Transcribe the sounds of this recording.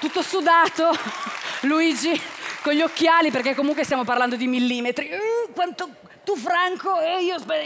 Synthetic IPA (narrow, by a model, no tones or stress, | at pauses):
t̪ut̪ːosud̪aːt̪o | luiːd͡ʒikoʎːokːjaːliperkekːomuŋkwest̪jamoparland̪od̪imilːiːmet̪ɾikwant̪o | t̪ufɾaŋkoɛiːospɛ